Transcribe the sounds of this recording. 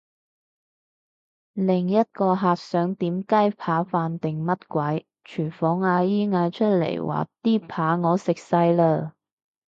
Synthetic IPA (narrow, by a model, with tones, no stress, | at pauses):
lɪ˨˩ŋjɐ˥t̚kɔː˧ɦaː˨k̚sœː˨˥ŋt̪iː˨˥mkaː˥jpʰaː˨˥faː˧nt̪ɪ˨ŋmɐ˥t̚kʷɐ˨˥j | t͡ʃʰyː˨˩nfɔː˨˥ŋaː˧jiː˥ŋaː˧t͡ʃʰɵ˥t̚lḛ˨˩jwa̰ː˨˩t̪iː˥pʰaː˨˥ŋɔː˨˧sɪ˨k̚sɐ˧jləː˧